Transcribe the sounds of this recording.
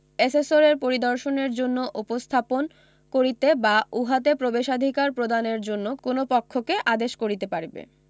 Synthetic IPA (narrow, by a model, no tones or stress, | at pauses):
esesoɾeɾpoɾid̪ɔɾʃoneɾd͡ʑonːoʔupost̪ʰapon | koɾit̪ebauɦat̪̬epɾobeʃad̪ʱikaɾpɾod̪aneɾd͡ʑonːokonopɔkʰːokeʔad̪eʃkoɾit̪epaɾbḛ